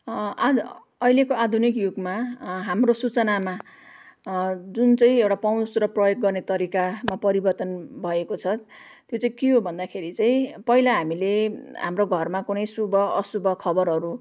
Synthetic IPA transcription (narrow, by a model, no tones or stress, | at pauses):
a | ʌilekoad̪ʱunik̬juɡmaɦamrosut͡sʌnama | d͡zunt͡sãĩewʈapaw̃srʌprʌjoɡ̚ːʌrnet̪ʌɾikamapʌɾibʌrt̪ʌnbʱʌekot͡sʰʌ | t̪jot͡sãĩkiɦobʱʌnd̪akʰeɾit͡saĩpʌilaɦamileɦamroɡʱʌrmakunʌjsubʌːsubʱʌkʰʌbʌɾɦʌɾu